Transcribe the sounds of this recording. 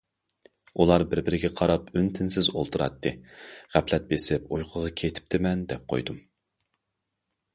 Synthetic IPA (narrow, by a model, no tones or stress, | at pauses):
ulˠɑɾbɪɾbɪɾɪɡʲɛqʰɑɾɑpynt̪ʰɪnsɪzolˠt̪ʰuɾɑ̰t̪ʰːɨʁæpʰlɛt̪̚besɪpojqʰʊʁɑkʲʰet̪ʰɪ̥p̚t̪ʰɪmɛnd̪ɛp̚qʰo̰jd̪um